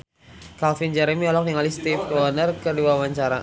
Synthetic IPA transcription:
kalfind͡ʒɛɾɛmiɔlɔk̚diŋalist̪ifanərkərdiwawaɲt͡ʃaɾa

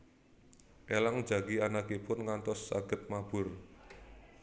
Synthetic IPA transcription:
ʔelaŋd̥d͡ʒa̤ɡianakepʊnŋant̪ɔsːa̰ɡ̥ə̤t̪̚mab̥ʊ̤r

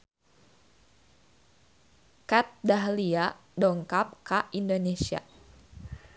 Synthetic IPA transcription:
kat̪̚daɦliadɔŋkap̚kaindonesia̰

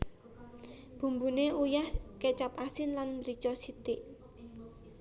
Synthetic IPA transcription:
b̥ṳmbuneujahket͡ʃapasɪnlanrit͡ʃɔsit̪ɪʔ

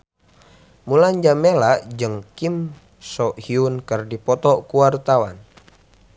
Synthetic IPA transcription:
mulaɲd͡ʒamelaʔd͡ʒɨŋkim | sɔʔhiunkərdipɔt̪ɔkuwart̪awa̰n

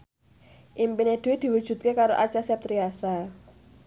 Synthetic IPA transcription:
ʔimpined̪̥ud̪̥i̤wud̥ʒ̥ṳt̪̚kekaɾoʔa̰̥t͡ʃasap̚t̪ɾiasa

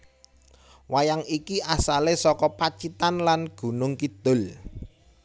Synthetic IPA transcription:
wajaŋikiʔasalesɔkɔpat͡ʃit̪anlanɡ̥ṳnʊŋkid̪̥ʊ̤l

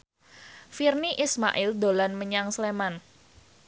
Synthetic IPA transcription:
firniʔisma̰ʔɪld̪olanməɲaŋsleman

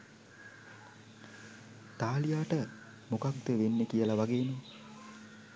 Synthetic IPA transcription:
t̪aːlijaːʈə | mokaɡ̚d̪əʋenːekijəlaʋaɡeːno

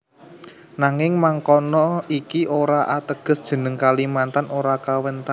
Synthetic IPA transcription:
naŋɪŋmaŋkɔnɔikiʔoɾaʔat̪əɡ̥ə̤sd̥ʒ̥ə̤nəŋkalimant̪anoɾakawənt̪an

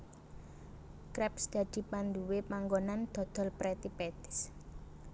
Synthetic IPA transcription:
kɾɛpsd̪̥ä̤d̪̥i̤pand̪uwepaŋɡonand̪̥ɔ̤d̪̥ɔ̤lpɾɛt̪ipɛt̪ɪ̥s

